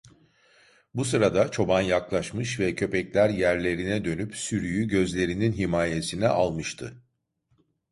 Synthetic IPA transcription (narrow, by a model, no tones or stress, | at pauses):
bus̬ɯɾad̪at͡ʃʰo̞banjaklˠaʃmɯʃvɛcʰø̞pɛclʲæɾjæɾlʲe̞ɾinɛd̪ø̞nypsyɾyjyɟø̞zlʲe̞ɾininɦimaːje̞sinɛʔalˠmɯʃt̪ʰɯ